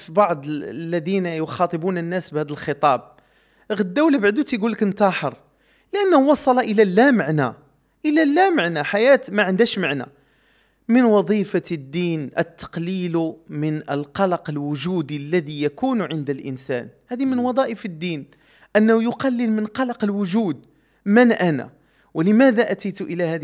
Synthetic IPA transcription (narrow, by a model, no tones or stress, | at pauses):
fibɑʕd̪ˤlːæd̪inæjʊxɑt̪ˤəbunənːæsbhæd̪əlxət̪ˤɑb̚ | ɣəd̪ːæwlæbaʕd̪ut̪jɡulːəknt̪ɑħəɾ | ləʔænːhuwɑsˤɑlɑʔəlælːæməʕnæ | ʔəlælːæməʕnæħajæt̪mæʕənd̪æʃmaʕnæ̰ | mənwɑd̪ˤifad̪ːiːnʔə̰t̪ːɑ̥qliːlmənəlqɑlɑqəlwʊʒuːd̪ilːæðijækuːnʕənd̪əlʔə̰nsæ̰nhæːðimənwɑd̪ˤɑːʔəfəd̪ːiːn | ʔənːæhujʊqɑlːəlmənqɑlɑqəlwʊʒuːd̪ | mənʔænæ̰ | wləmæd̪æʔæt̪əjt̪ʔəlæhæ